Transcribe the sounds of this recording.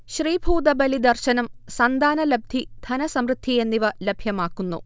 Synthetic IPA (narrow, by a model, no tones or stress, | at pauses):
ɕriːbʱuːd̪ɐbɐlid̪ɐrɕɐnɐmsɐnd̪aːnɐlɐb̚d̪ʱid̪̥ʰʱɐnɐsɐmrɨd̪ʱːije̞nːiʋɐlebʱjɐmaːkːunːṵ